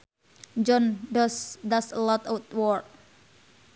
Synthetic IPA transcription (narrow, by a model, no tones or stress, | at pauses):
d͡ʒɔnɖɔsd̪aslɔt̪awt̪wɔr